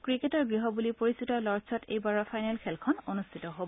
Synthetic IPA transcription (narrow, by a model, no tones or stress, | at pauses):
kɹiketɔɹɡɹiɦɔbulipoɹisutɔlɔɹsʰɔtḛjbaɹɔpʰajnɛlkʰɛlkʰɔnonustʰitɔɦobɔ